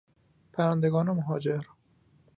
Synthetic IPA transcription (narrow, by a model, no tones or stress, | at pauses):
pʰæɾænd̪eɡɒːnemoɦɒːd͡ʒeɾ